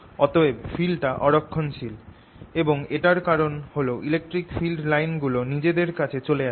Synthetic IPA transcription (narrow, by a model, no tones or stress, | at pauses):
ɔt̪oefilʈaʔɔɾokʰːonʃil | eboŋeʈaɾkaɾonholoʔilek̚ʈɾikfilɖlajnɡulonid͡ʑed̪eɾkat͡ɕʰet͡ɕolea